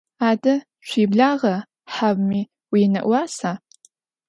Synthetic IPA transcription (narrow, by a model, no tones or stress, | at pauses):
aːdɨ | ʃʷiːbɮaːʁɐ | ħabmi | winɐ̰ʔʷaːsa